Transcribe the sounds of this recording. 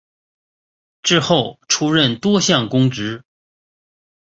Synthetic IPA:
ʈ͡ʂɻ̩˥˧xo˥˩ʊʈ͡ʂʰu˥ɻə˥˧˩nt̪wɔ˥ɕjɑ˥˩ŋkʊ˥ŋʈ͡ʂɻ̩˧˥

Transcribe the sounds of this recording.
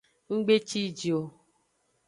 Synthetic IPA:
ŋ͡m̩˦ɡ͡be˦t͡ʃi˦˨d͡ʒi˨o˨

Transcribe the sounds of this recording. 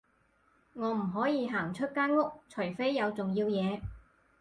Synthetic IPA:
ŋɔː˨˧m̩˨˩ɦɔː˨˥jiː˨˧ɦaː˨˩ŋt͡ʃʰɵ˥t̚kaː˥nŋʊ˥k̚t͡sʰɵ˨˩jfe˥jːɐ˨˧wt͡sʊ˨ŋjiː˧wjɛː˨˧

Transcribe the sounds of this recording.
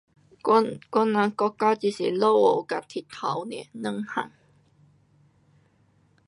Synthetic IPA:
kʷɔ˥nːã˧kɔ˧˥kːa˦t͡ɕi˧˩sḭ˨lo˥˧wo˨˩wka˨t̪ʰi˨˩t̪ʰa˨˦wnɛ̰˧˩nə̃˥˧˥ŋha̰˨˩ŋ

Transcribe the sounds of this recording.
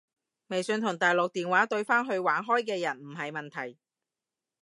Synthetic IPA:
me˨˩jsɵː˨˧nt̪ʰʊ˨˩ŋt̪aː˨jlʊ˨k̚t̪iː˨nwaː˨˥t̪ɵ˧ɥfaː˥nɦɵ˧ɥwaː˨˥nɦɔː˥jk̬ɛː˧jɐ˨˩nm̩˨˩ɦɐ˨jmɐ˨nt̪ʰɐ˨˩j

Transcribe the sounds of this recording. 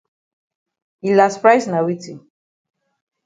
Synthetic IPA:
ilaspɹajsna˨wi˦ti˨

